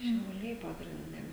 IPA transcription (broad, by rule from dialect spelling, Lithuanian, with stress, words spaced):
ʃʲɛʊˈlʲɛɪ pɐɡrʲɪnʲˈdʲɛ